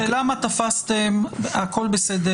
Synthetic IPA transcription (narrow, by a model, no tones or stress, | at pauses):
elamat̪afast̪emako̞lbesed̪e